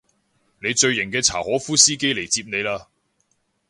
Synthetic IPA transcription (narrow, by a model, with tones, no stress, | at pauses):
ne˨˧jt͡ʃɵ˧ɥjɪ˨˩ŋkɛː˧t͡sʰa̰ː˨˩hɔː˨˥fuː˥siː˥ke˥jle˨˩jt͡siː˧p̚ne˨˧jlaː˧